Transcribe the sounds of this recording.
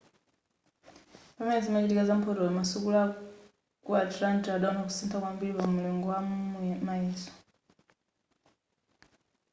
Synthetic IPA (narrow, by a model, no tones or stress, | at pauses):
pamaid͡zimat͡ʃitikazam̩pʰɔtɔlɔmasukula | kuatɾantaɗaɔnakusintʰakwambilipamumulɔŋɡɔwamaɛːsɔ̥